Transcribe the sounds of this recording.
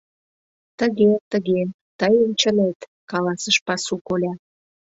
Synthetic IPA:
t̪əɣet̪əɣe | t̪əjənt͡ɕənet̪kɑlɑsəʃpɑsukolʲɑ

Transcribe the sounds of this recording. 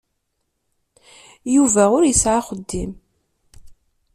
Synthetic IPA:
juvæʊɾjəsʕaχəd̪ːim

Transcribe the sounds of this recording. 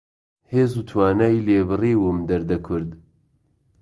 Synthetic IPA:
heːzuːt̪ʰwaːnajleːbɨriːwɨmd̪ɐɾd̪ɐkʰʊɾd̪

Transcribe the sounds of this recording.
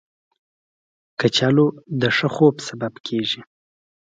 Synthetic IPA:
kat͡ʃalod̪əʂəxobsababkʰeʒi

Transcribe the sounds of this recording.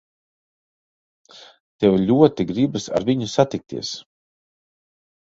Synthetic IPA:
t̪ɛwlʲuɔt̪iɡɾibɨsa̰ɾvʲiɲusat̪ik̚t̪ḭɛs

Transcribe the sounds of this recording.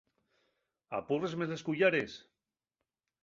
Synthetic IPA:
a̰purezmezleskuʎaɾes

